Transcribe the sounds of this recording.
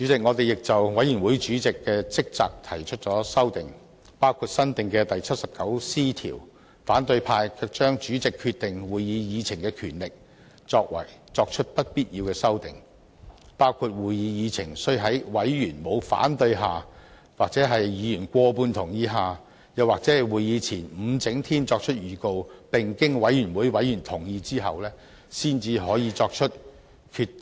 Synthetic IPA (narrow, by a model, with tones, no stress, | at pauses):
t͡ʃy˨˥t͡sɪ˨k̚ŋɔː˨˧t̪e˨jɪ˨k̚t͡sɐ˨wwɐ˨˥jyː˨˩nwuː˨˥jt͡ʃyː˨˥t͡sɪ˨kːɛː˧t͡sɪ˥k̚t͡saː˨˧k̚t̪ʰɐ˨˩jt͡ʃʰɵ˥t̚t͡sɔː˨˥sɐ˥wt̪ɪ˨ŋ | paː˥wkʰu˧t̚sɐ˥nt̪ɪ˨˩ŋkɛ˧t̪ɐ˨jt͡sʰɐ˥t̚sɐ˨p̚kɐ˨˥wsiː˥t̪ʰḭː˨˩w | faː˨˥nt̪ɵ˧ɥpʰaː˧jkʰːk̚t͡ʃœː˥ŋt͡ʃyː˨˥t͡sɪ˨kʰːyː˧t̪ɪ˨ŋwuː˨jːiː˨˧jiː˨˧t͡sʰɪ˨˩ŋkɛː˧kʰyː˨˩nlɪ˨k̚ | t͡sɔː˧k̚wɐ̰˨˩jt͡sɔː˧k̚t͡ʃʰɵ˥t̚pɐ˥t̚piː˥t̚jiː˧wkɛː˧sɐ˥wt̪ɪ̰˨ŋ | paː˥wkʰu˧t̚wuː˨˩jiː˨˧jiː˨˧t͡sʰɪ˨˩ŋsɵ˥˧ɥɦɐ˨˥jwɐ˨˥jjyː˨˩nmo˨˧wfa̰ː˨˥nt̪ɵ˧ɥɦaː˨˩ | waː˨k̚t͡sɛː˨˥ɦɐ˨jːiː˨˧˥jy˨˩nkʷɔː˧puː˧nt̪ʰʊ˨˩ŋjiː˧ɦaː˨ | jɐ˨waː˨k̚t͡sɛː˨˥˨wuː˨jiː˨˧t͡sʰiː˨˩nm̩˨˧t͡sɪ˨˥ŋt̪ʰiː˥nt͡sɔː˧k̚t͡ʃʰɵ˥t̚jyː˨˩ko˧wpɪ˨˩ŋkɪ˥ŋwɐ˨˥jɥyː˨˩nwuː˨˥jwɐ˨˥jyː˨˩nt̪ʰʊ˨˩ŋjiː˧t͡siː˥ɦɐ˨wlɛː˥ | siː˥nt͡siː˧ɦɔː˨˥jiː˧t͡sɔː˧k̚t͡ʃʰɵ˥t̚ | kʰyː˧t